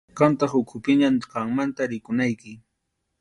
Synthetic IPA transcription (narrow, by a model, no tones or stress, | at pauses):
qɑnt̪ɑχʊkʰʊpɪɲamqɑŋmant̪aɾɪkʊnajkɪ